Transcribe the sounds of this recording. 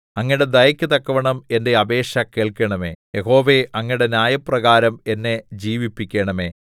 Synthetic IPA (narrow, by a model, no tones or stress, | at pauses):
ɐŋːɐiɽe̞d̪ɐjɐkʲːɨt̪ɐkːɐʋɐɳɐme̞nde̞ɐbe̞ːɕɐke̞ːɭkɐɳɐme̞̰ːjeɦo̞ːʋe̞ɐŋːiɽe̞njaːjɐpːrɐɣaːɾɐme̞nːe̞d͡ʑiːʋipːikʲːeːɳɐme̞̰ː